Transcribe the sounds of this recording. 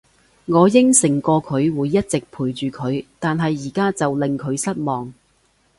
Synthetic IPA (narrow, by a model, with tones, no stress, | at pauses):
ŋɔː˨˧jɪ˥ŋsɪ˨˩ŋkɔː˧kʰɵ˨˧ɥwuː˨˧jːɐ˥t̚t͡sɪ˨k̚pʰuː˨˩jt͡ʃyː˨kʰɵ˨˧ɥt̪aː˨nɦɐ˨jːiː˨˩kaː˥t͡sɐ˨wlɪ˨ŋkʰɵ˨˧ɥsɐ˥t̚mɔː˨ŋ